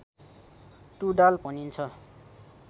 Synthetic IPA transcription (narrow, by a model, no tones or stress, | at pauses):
ʈuɖalpʌnint͡sʰʌ